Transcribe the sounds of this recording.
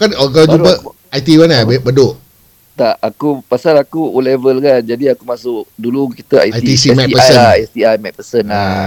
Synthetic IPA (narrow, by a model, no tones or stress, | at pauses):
kanɔk̬alad͡ʒupə | ajt̪iwanabebədoʔ | t̪aakupasalakuulevəlkand͡ʒadiakumasʊʔduluki̥t̪əa̰jaj̪isimɛ̃kpəsəst̪iajmɛk̚pəsəna